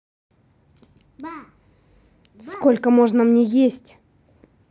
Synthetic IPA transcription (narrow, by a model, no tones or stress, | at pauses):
skko̞lʲkəmo̞ʐnəmnʲejesʲtʲ